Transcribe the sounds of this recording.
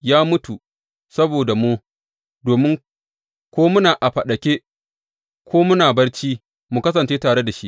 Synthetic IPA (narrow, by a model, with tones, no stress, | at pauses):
jaː˦mʊ˦tu˨ | sɐ˦boː˨da˨mu˦ | doː˨mɪ˦ŋ | kʷoː˦mʊ˦naː˨ʔa˨ɸɐ˨ɗɐ˨kʲe˦ | kʰʷoː˦mʊ˦naː˨bɐ˦rt͡ʃiː˦ | mu˨kɐ˦s̬ɐ˨nt͡ʃeː˦taː˨ɽe˦da˨ʃi˦ʔ